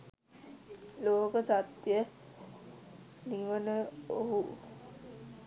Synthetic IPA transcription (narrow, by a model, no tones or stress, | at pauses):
loːkəsat̪jə | niʋənəoɦu